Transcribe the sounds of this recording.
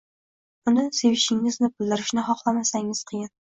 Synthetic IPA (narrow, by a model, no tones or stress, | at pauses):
ʊnɪse̞vɪʃɪŋɪznɪbɪlˠd̪ɪɾɪʃnɪɦɒqlˠamasaŋɪz̥qʰɨjɪn